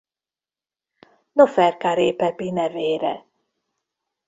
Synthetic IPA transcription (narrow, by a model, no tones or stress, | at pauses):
nofɛrkaɾeːpɛpinɛveːɾɛ̰